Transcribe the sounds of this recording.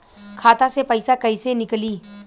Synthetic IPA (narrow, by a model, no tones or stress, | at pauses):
kʰaːt̪asepɐɪsakɐisenɪkliː